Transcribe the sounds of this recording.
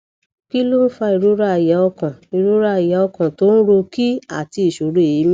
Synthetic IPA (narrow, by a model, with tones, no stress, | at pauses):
ki˦lo˦n̩˦fa˧i˨ɾo˨˦ɾa˦˨jɛ˨˦ɔ˧kã˨i˨ɾo˦ɾa˦a˨jɛ˨˦ɔ˧kã˨to˦n̩˦ɾo˧ki˦a̰˦˨ti˧i˨ʃo˨ɾu˦e˨ji˨˦m̃˦